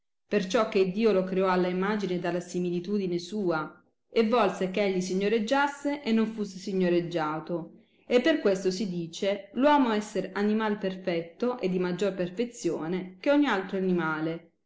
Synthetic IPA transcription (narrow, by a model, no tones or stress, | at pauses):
pert͡ʃɔkːeid̪ːiːolokɾeɔalːaimaːd͡ʒined̪alːasimilit̪uːd̪inesuːa | evːɔlsekeeʎːis̬iɲːoɾed͡ʒːasːeʔenːoɱfusːesiɲːoɾed͡ʒːaːt̪o | epːerkwest̪osid̪iːt͡ʃelwɔːmoɛsːeɾanimaːleperfɛt̪ːoʔed̪ːimad͡ʒːorperfet̪sːjoːnek̟eɔɲːialt̪ɾoanimaːle